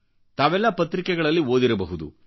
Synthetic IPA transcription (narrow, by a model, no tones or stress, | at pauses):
t̪aːʋɛlːɐpɐt̪ɾikɛɡɐɭɐlːioːd̪iɾɐbɐɦud̪ṵ